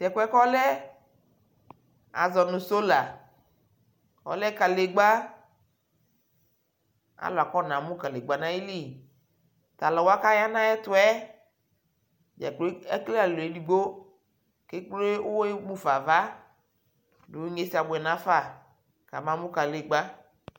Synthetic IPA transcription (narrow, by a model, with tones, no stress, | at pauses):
sɛ˨kɛ˦kɔ˦lɛ˦ | a̰˨zɔ˨nũ˨so˦la˨ | wɔ̰˨lɛ˦ka˨le˨ɡ͡ba˦ | a̰˦lʊ˨a˨kɔ˦nã˨mũ˦ka˨le˨ɡ͡ba˨nã˦je˦li˦˨ | t̪a˨lɔ˨wo˦a˦ka˦ja˦nã˦ɛ˦t̪ʊ˦ɛ˦ | d͡ʒa̰˨k͡plɛ˦kle˦a˨lo˨e˦di˨ɡ͡bo˦ | ke˦k͡plo˦e˦wo˦e˦ɡ͡bũ˦fa˨va˦ | do˨wɲe˦si˦a˨bʊ˨ɛ˨nã˦fa˦˨ | ka̰˨mã˦mũ˦ka˨le˨ɡ͡ba˦